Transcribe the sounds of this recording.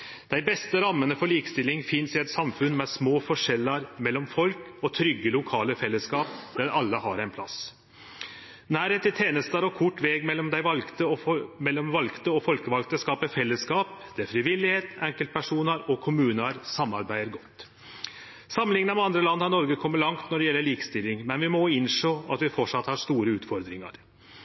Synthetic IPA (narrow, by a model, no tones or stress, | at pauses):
d̪̥æɪbɛst̪əɾɑmːənəfɔɭiːkəst̪ɪlːɪŋfɪnsɪɛt̪sɑmfʉnmɛsmoːfɔʂɛlːɑɾmɛlːɔmfɔlkɔt̪ʰɾʏɡːəlʊkʰɑːləfɛlːəskɑːp̚d̪æɾɑlːəhɑɾæɪnpʰlɑ̰s | næːɾeːt̪ɪt̪ʰeːnəst̪ɑɾɔkʰʊʈːʋɛːɡmɛːɔmd̪æɪʋɑt̪əmɛlːɔmʋɑlkt̪əɔfɔlkəʋɑlɡt̪əskɑːpəfɛlːəskɑːpd̪̥ɛæfɾɪʋɪlːɪheːt̪ɛŋkəlt̪̚pʰæʂuːnəɾɔkʰʊmʉːnəɾsɑmːɑɾbæɪəɾɡɔt̪ː | sɑmːəlɪŋənəmɛɑnd̪ɾəlɑnːhɑnɔɾɡəkʰɔmːəɭɑŋt̪nɔɖɛjɛlːəɭiːkəst̪ɪlːɪŋmɛnʋɪmɔɪnʂoːɑt̪ʋɪfɔʈʂɑt̪ːhɑʂt̪uːɾəʉːt̪fɔɾd̪ɾɪŋɑ̰ɾ